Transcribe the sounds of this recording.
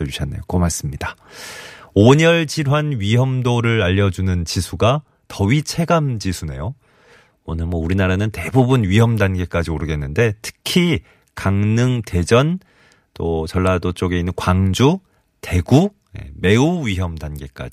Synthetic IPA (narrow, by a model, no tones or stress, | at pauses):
uɕʰanːḛjokomaɭs͈ɯmɲida | oɲʌɭt͡ɕiɾwanɥiɦʌmdoɾɯɾaʎːʌd͡ʑunɯnt͡ɕisʰuɡa | tʌɥit͡ɕʰe̞ɡamd͡ʑisʰune̞jo | onɯɭmwʌuɾinaɾanɯnte̞bubunɥiɦʌmdanɡe̞k͈ad͡ʑioɾɯɡe̞nːɯnde̞tʰɯ̥kʰi | kaŋnɯŋte̞d͡ʑʌn | t͈ot͡ɕʌɭːadot͡ɕ͈oɡe̞inːɯnkwaŋd͡ʑu | te̞ɡu | je̞̰me̞uɥiɦjʌmdanɡe̞k͈a̰d͡ʑi